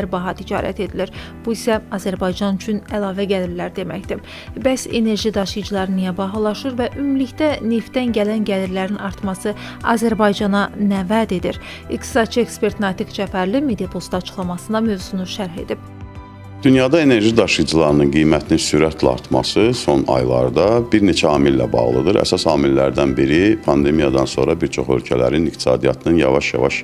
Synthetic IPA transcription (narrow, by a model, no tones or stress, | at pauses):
æɾbɑɦɑt̪ʰid͡ʒɑ̰ːɾæ̰t̪ʰe̞d̪iliɾ | b̥uisæɑzæɾbɑjd͡ʒɑnyt͡ʃʰynælˠɑːvæɟæliɾlæɾd̪e̞mæçd̪i | bæse̞̰ne̞ɾʒid̪ɑʃɯjd͡ʒɯlˠɑɾɯnijæbɑɦɯlˠɑʃɯɾvæʔymliçd̪æne̞ft̪ːænɟælænɟæliɾlæɾinɑɾt̪mɑsɯ | ɑ̰zæɾbɑjd͡ʒɑnɑnævæd̪e̞d̪iɾ | ikt̪ʰi̥sɑd̪̥̚t͡ʃʰɯekspe̞ɾt̪nɑt̪ʰikd͡ʒæfæɾlimed̪ijɑpʰost̪ɑt͡ʃʰɯ̥χlˠɑmɑsɯnd̪ɑmø̞vz̥unuʃæɾɦe̞̰d̪ib̥̚ | d̪̥ynjɑd̪ɑe̞ne̞ɾʒid̪ɑʃɯd͡ʒɯlˠɑɾɯnɯnɡijmæt̪ʰininsyɾæt̪ʰlæɑ̰ɾt̪ʰmɑ̰sɯso̞nɑ̰jlˠɑ̰ɾd̪ɑbiɾne̞t͡ʃʰæɑːmilːæ̰bɑ̰ʁlˠɯd̪ɯɾæ̰sɑsɑːmilːæɾd̪ænbiɾipʰɑnd̪e̞mijɑd̪ɑnso̞̰ɾɑbiɾt͡ʃʰo̞̰χø̰lcʰælæ̰ɾinik̚t̪ʰi̥sɑ̰ːd̪ijɑ̰t̪ʰɯnɯnjɑ̰vɑʃjɑ̰vɑʃ